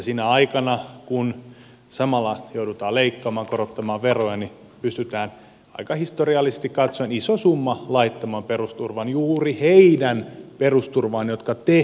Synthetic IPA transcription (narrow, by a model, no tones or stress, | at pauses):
sinæɑikɑnɑkun | sɑmɑlːɑjoudut̪ɑːleikːɑːmɑːŋkoɾot̪ːɑmɑːʋʋerojɑni | pyst̪yt̪æːn | ɑ̰ikɑhist̪oriɑlːisest̪ikkɑt̪soenisosumːɑlɑit̪ːɑmɑːmperust̪urʋɑnjuːriheidænperust̪urʋɑːnjot̪kɑt̪e